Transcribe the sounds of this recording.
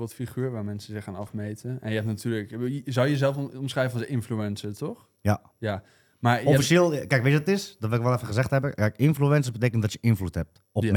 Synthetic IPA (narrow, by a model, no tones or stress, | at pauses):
bolˠtfiχyːɹʋaːmɛnsəzɪxaːnɑfmeːtəɛnjəɛp̚natyːləkzɔljəzɛlˠfɔmsrɛjvənsɪnfluɛnsətɔx | ja | ja | maofiseːlˠkɛjkʋɪɔtɪsdɔtʋɛɪkʋɔlˠɛfəɣəzɛxtɦɛbəkɛjkɪnfluɛnsəbət̬eːkəntdɔtjəʔɪnfluthɛp̚t | ɔm